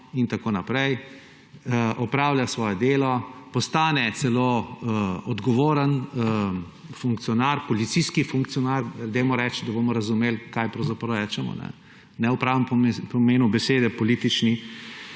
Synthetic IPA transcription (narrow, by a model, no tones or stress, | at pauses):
int̪akoːnapɾɛj | ɔpɾaːwljasʋɔːjɛd̪eːlɔpɔst̪aːnɛt̪sɛlo | ɔd̪ɡɔʋoːɾən | fuŋkt̪sijɔnaɾpɔlit̪siskifuŋk̚t̪sijɔnaɾɾd̪emɔɾɛt͡ʃd̪abomɔɾɐzumeːlkajpɾɐwzapɾɐwɾɛt͡ʃɛmɔ̰nɛ̰ | nɛʊpɾaːʋəmppɔmeːnubɛseːd̪ɛpɔlit̪it͡ʃni